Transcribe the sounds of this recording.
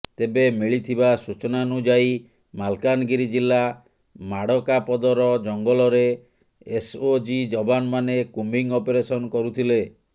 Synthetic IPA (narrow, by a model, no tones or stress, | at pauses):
t̪ebemiɭit̪ʰibasut͡ʃɔnanud͡ʒai | malkanɡiɾid͡ʒilːa | maɽɔkapɔd̪ɔɾɔd͡ʒɔŋɡɔlɔɾeː | sod͡ʒid͡ʒɔbanmanekumbiŋɔpeɾesɔnɔkɔɾut̪ʰile